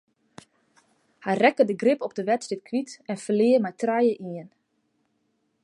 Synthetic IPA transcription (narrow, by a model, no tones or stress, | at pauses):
hɛjrɛkədəɡrɪpɔp̚dəʋɛtsdɪt̚kʰʋitɛnfəlɪːəmɛjtrajəʔiən